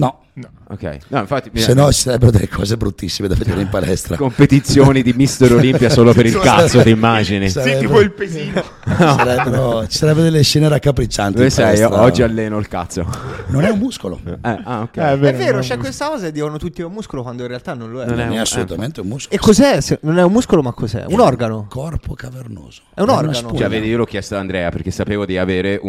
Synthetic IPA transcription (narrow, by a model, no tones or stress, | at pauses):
nɔ | o̰kːɛ̰jnɔĩɱfat̪ːisenːɔt͡ʃi̥saɾɛbːeɾod̪ḛlːekʰɔ̰ːzebɾut̪ːisːimed̪aved̪eːɾeimpalɛst̪ɾa̰kompet̪it̪sːjoːnid̪imist̪eɾolimpjasoːlopeɾilkasːod̪imːaːd͡ʒinisɾɛb̪ipoilpet̪i | saɾɛbːeɾot͡ʃi̥saɾɛbːeɾod̪elːeʃɛːneɾakːapɾit͡ʃːant̪iiesɛɛsɾɔd͡ʒːialːɛːnoilka̰t̪sːo̰nonɛummuskolo̰ɛaokːɛɛɛveɛːɾvːeːɾot͡ʃɛkːwest̪akɔːzed̪ːiːvanot̪ut̪ːiumuskolokwand̪oinrealt̪anːõnloɛnonɛnɛasːolut̪ament̪eummuskekːozɛsenonɛummuskolomakːozɛ̰unɔrɡanokʰɔrpokaverno̰ːz̥oɛunɔranot͡ʃɛveːd̪iiːolɔk̟jɛst̪oand̪ɾɛːaperk̟esːapeːvod̪iaveːɾeʔu